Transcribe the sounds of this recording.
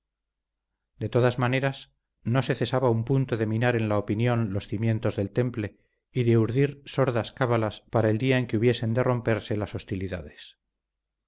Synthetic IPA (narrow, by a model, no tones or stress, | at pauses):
d̪e̞t̪o̞ðazmane̞ɾas | no̞se̞θe̞saβaumpunt̪oðe̞mĩnaɾe̞nlaopinjõ̞nlo̞sθimjẽ̞nt̪o̞zðe̞lt̪e̞mple̞ | iðeuɾðiɾso̞ɾðaskaβalaspaɾaeld̪iae̞ŋkeuβje̞se̞nd̪erʔo̞mpe̞ɾse̞laso̞st̪iliða̰ðe̞s